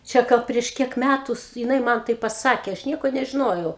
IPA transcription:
t͡ʃʲɛ ˈɡɐlˠ pʲrʲiɛʃ ˈkʲiɛk ˈmʲætʊs jɪˈnɐɪ ˈmɐn ˈtɐɪ pɐˈsɑːkʲeː ˈɐʃ ˈnʲiɛkoː nʲɛʒʲɪˈnoːjɛʊ

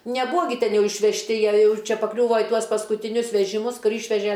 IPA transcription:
nʲɛˈbuːɐ ɡʲɪ ˈtʲɛn ˈjɛʊ ɪʃʲʋʲɛʃʲˈtʲɪ ˈjiɛ ˈjɛʊ ˈt͡ʃʲɛ pɐkˈlʲuːʋoː ɪ ˈtuɔs pɐskʊtʲɪˈnʲʊs ʋʲɛʒʲɪˈmʊs ˈkʊr ˈiːʃʲʋʲɛʒʲɛ

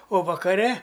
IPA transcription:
oː ʋɐkɐˈrʲɛ

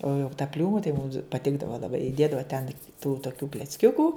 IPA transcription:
oː jɛʊ tɐ ˈpʲlʲuːmʊ tɐɪ mʊms pɐˈtʲɪɡdɐʋɐ lˠɐˈbɐɪ ɪˈdʲeːdɐʋɐ tʲɛn tuː toːˈkʲuː klʲɛt͡sʲˈkʲʊkuː

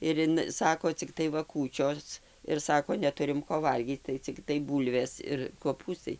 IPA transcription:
ɪr ˈɪn ˈsɑːkoː t͡sʲɪkˈtɐɪ ˈʋɐ ˈkuːt͡ʃʲoːs ɪr ˈsɑːkoː nʲɛˈtʊrʲɪm ˈkoː ˈʋɐlʲɡʲiːt͡s tɐɪ t͡sʲɪkˈtɐɪ ˈbuːlʲʋʲeːs ɪr koːˈpuːstɐɪ

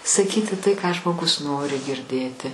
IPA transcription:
sɐˈkʲiːtʲɪ tɐɪ kɑː ʒmoːˈɡʊs ˈnoːrʲɪ ɡʲɪrʲˈdʲeːtʲɪ

